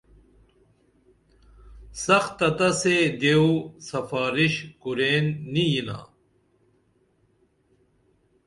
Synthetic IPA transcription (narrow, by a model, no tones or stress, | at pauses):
sɐxt̪ːɐt̪ɐsed̪eusɐfaːɾiɕkuɾeːnːijina̰ː